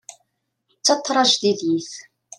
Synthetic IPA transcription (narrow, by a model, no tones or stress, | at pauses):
t͡sːɑt̪ˤːɾˤɑʒðiðjiθ